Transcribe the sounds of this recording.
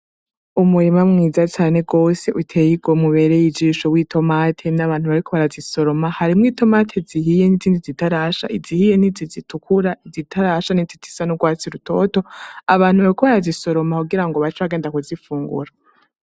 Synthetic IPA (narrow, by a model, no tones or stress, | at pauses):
umujemamŋiːzat͡ʃaːne̞ɡo̞ːse̞ʔutʰe̞ːjiɡomuβe̞ːɾejid͡ʒiːʃo̞wiːtʰo̞matʰe̞naβaːn̥uβaɾikʰoβaɾaziso̞ɾo̞mahaɾimŋiːtʰo̞matʰeziɦije̞niziːndizitaɾaʃa̰ʔizihije̞nizizitukʰuɾaizitʰaɾaʃanizitʰi̥sanuɡwaːt͡siɾutʰo̞to̞aβaːn̥huβaɾikoβaɾaziso̞ɾo̞makuɡiɾaŋɡoβat͡ʃoβaɡe̞ːndakuzifuːŋɡṵɾa